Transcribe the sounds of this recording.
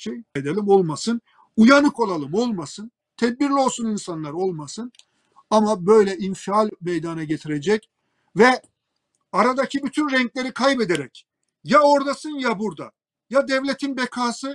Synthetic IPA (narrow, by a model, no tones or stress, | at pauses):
ʃejed̪elʲimo̞lˠmasɯn | ujanɯko̞lˠalˠɯmo̞lˠmasɯn | t̪ʰɛd̪̚biɾlʲio̞lˠsuninsanlˠaɾo̞lˠmasɯn | amabø̞jlʲɛʔinfialʲmejd̪anaɟet̪ʰiɾed͡ʒɛc | vɛ | aɾad̪acʰibyt̪ʰynɾɛɲclʲe̞ɾikʰajbed̪eɾɛc | jao̞ɾd̪asɯnjabuɾd̪a̰ | jad̪ɛvlʲet̪ʰinbekʰaːsɯ